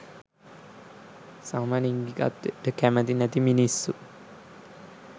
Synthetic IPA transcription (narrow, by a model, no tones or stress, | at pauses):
samaːniŋɡika̰t̪ːeʈəkæmət̪̬inɛt̪iminisːu